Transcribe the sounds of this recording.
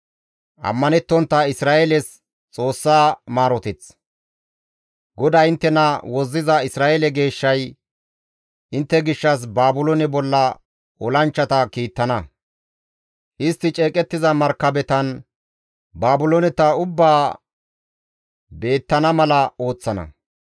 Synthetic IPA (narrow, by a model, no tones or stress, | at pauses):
ʔɐ̰mːɐnɛt̪ːɔnt̪ːɐɪsɾaːʔelɛs | t͡sʼo̞ːsːaːmaːɾɔt̪ɛt͡s | ɡɔd̪ɐjɪnt̪ːɛnɐwɔzːɪzɐɪsɾaːelɛɡe̞ːʃːɐj | ʔɪnt̪ːɛɡɪʃːɐs̬baːbʊlɔnɛbɔlːɐ | ʔɔlɐnt͡ʃːɐt̪ɐkiːt̪ːɐnɐ | ʔɪst̪ːɪt͡ʃʼe̞ːkʼɛt̪ːɪzɐmɐɾkːɐbɛt̪ɐn | baːbʊlonɛt̪ɐʊbːaː | be̞ːt̪ːɐnɐmɐlɐo̞ːt͡sːɐnɐ̰